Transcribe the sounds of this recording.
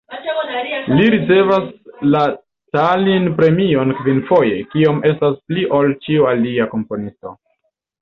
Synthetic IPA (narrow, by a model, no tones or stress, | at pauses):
liɾit͡se̞vasla | talinpɾe̞mio̞nkvinfo̞je̞kio̞me̞staspliʔolt͡ʃiualiako̞mpo̞nisto̞